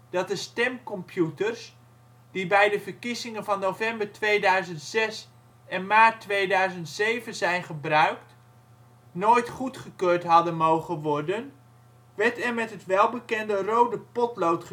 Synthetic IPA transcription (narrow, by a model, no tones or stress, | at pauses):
d̥ɑt̚dəstɛmkɔmpʰjutərs | d̥ibɛjdəvəɹkizɪŋənvɑnːowvɛmbəɹtʋejdœɥzəntsɛs | ɛnmaːtːʋejdœɥzəntsejvənzɛjnχəbrœɥkt | noːjtχutχəkøːɹtɦɑdənmowχəʋɔɹdən | ʋɛɹtɛɹmɛtɦətʋɛlˠbəkɛndərowdəpɔtlowtχə